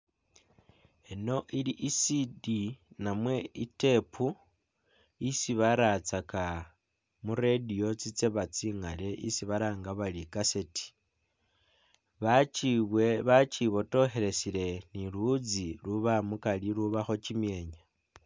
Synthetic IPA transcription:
eno̞ʔiliʔisidinamwe̞ite̞pʰu | isiβaɾat͡saka | muɾedijo̞t͡sit͡se̞βat͡siːŋale̞ʔisiβaɾaːŋɡaβalikaseti̥ | βat͡ʃiβweβat͡ʃiβo̞to̞xe̞ɾe̞sile̞niɾud͡ziluβamukaliɾuβaxo̞t͡ʃimje̞ːɲa

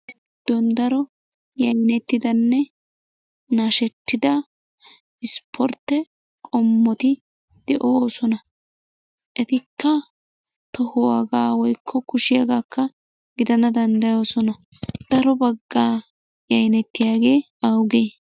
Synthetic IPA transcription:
d̪̥ɔnd̪ɐɾɔ | jɐjnɛt̪ːɪd̪ɐnːɛ | naːʃɛt̪ːɪd̪ɐ | ɪspʰɔɾt̪ːɛ | kʼɔmːɔt̪ɪ | d̪̥ɛʔoːsɔnɐ | ʔɛt̪ɪkʰːɐ | t̪ɔhɔwaɡaːwɔjkʰːɔkʊʃɪjɐɡaːkʰːɐ | ɡɪd̪ɐnɐd̪ɐnd̪ɐjo̞ːsɔnɐ | d̪̥ɐɾɔbɐɡːaː | jɐjnɛt̪ːɪjaːɡe̞ː | ɐwɡeː

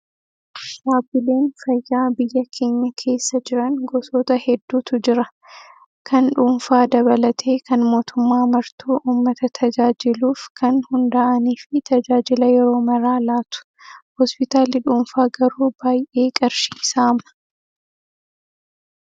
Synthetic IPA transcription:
ʃaːbɪle̞ːnfɐjːaːbɪjːɐkʰe̞ːɲːɐkʰe̞ːsːɐd͡ʒɪɾɐŋɡɔsoːt̪ɐhɛd̪ːuːt̪ʊd͡ʒɪɾɐ | kʰɐnᶑuːnfaːd̪ɐβɐlɐt̪ʰeːkɐnmo̞ːt̪ʊmːaːmɐɾt̪ʰuːʔuːmːɐt̪ɐt̪ʰɐd͡ʒaːd͡ʒɪluːfkʰɐnhʊnd̪aʔɐniːfɪt̪ɐd͡ʒaːd͡ʒɪlɐjɛɾo̞ːmɐɾaːlaːt̪ʊ̥ | hɔspɪt̪aːlɪᶑuːmfaːɡɐɾuːb̥aːjʔe̞ːkʼɐɾʃiːsamɐ̥

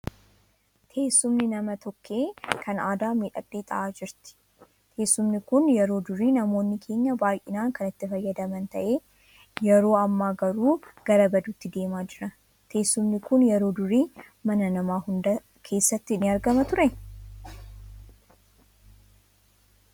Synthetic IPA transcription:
t̪ʰe̞ːsːʊmnɪnɐmɐt̪ʰɔkːe̞ːkʰɐnaːd̪aːmiːᶑɐkʼːiːt̪ʼɐ̰ʔaːd͡ʒɪɾt̪ɪ̥ | t̪ʰe̞ːsːʊmnɪkʊnjɛɾo̞ːd̪ʊɾiːnɐmo̞ːnːɪkʰe̞ːɲːɐbaːjʔɪnaːŋkɐnɪt̪ːɪfɐjːɐd̪ɐmɐnt̪ɐʔe̞ː | jɛɾo̞ːɐmːaːɡɐɾuːɡ̥ɐɾɐbɐd̪uːt̪ːɪd̪e̞ːmaːd͡ʒɪɾɐ | t̪ʰe̞ːsːʊmnɪkʊnjɛɾo̞ːd̪ʊɾiː | mɐnɐnɐmaːhʊnd̪ɐ | kʰe̞ːsːɐt̪ːɪnːɪɐɾɡɐmɐt̪ʊɾɛn

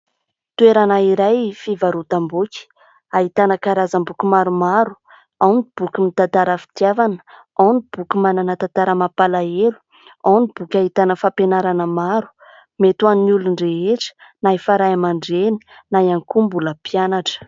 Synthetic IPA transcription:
t̪ueɾanaiɾajfivaɾut̪ambukʲi̥ | aɦit̪anəkaɾazambukumaɾumaɾu̥ | awnib̥ukʲimit̪at̪aɾəfi̥t̪javanə̥ | awnib̥ukʲumananət̪at̪aɾəmapalaelu̥ | awnib̥ukʲaɦit̪anəfapenaɾanəmaɾu̥ | met̪uannuluɳɖ͡ʐeeʈ͡ʂə̥naifaɾajamaɳɖ͡ʐeni̥ | najaŋkumbuləpjanaʈ͡ʂə̥

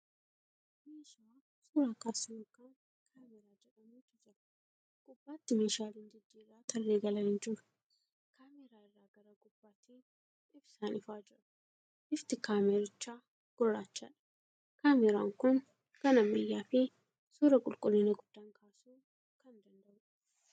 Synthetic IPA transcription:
meːʃɪa | suːɾakaːsɪmʊkɐn | kʰaːmɛɾaːd͡ʒɛᶑɐmuːd͡ʒʊd͡ʒɐɾɐ̥ | kʼʊbːaːt̪ːɪmeːʃaːlɪnd̪ɪd̪ːirːaːt̪ʰɐlːeːɡɐlɐhɪnd͡ʒɪɾɐ̥ | kaːmeɾaːɪrːaːɡɐɾɐkʼʊb̥ːaːt̪ʰiː | ɪbsaːnɪfaːd͡ʒɪɾɐ̥ | ʔɪft̪ɪkaːmeɾɪt͡ʃːaː | ɡ̥ɔrːaːt͡ʃːaːᶑɐ̥ | kaːmɛɾa̰ːŋkʊn | kɐnɐmɪjːaːfɪ | suːɾɐkʼʊlkʼʊlːɪnɐɡʊd̪̥ːaːŋkʰaːsuː | kɐnd̪ɐnd̪ɐʔʊ

